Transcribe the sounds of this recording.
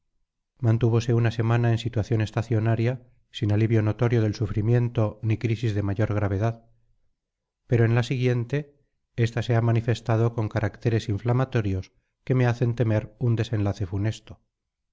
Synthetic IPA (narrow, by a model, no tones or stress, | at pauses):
mãnt̪uβ̞o̞se̞unase̞manae̞nsit̪waθjo̞ne̞st̪aθjo̞naɾja | sinaliβjono̞t̪o̞ɾjo̞ð̞e̞lsufɾimje̞nt̪o̞nikɾisizðe̞maʝo̞ɾɣ̞ɾaβ̞e̞ðað | pe̞ɾoenlasiɣje̞nt̪e̞ | est̪ase̞amanife̞st̪að̞o̞ko̞ŋkaɾʔakt̪e̞ɾe̞siɱflamat̪o̞ɾjo̞s | ke̞me̞aθe̞nt̪e̞me̞ɾund̪e̞se̞nlaθe̞fune̞st̪o